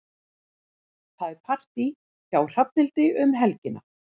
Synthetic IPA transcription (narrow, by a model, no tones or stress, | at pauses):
θaðɛɾpʰar̥t̪i | çaːwr̥ap̚nɪlt̪ɪʏmɦɛlcɪna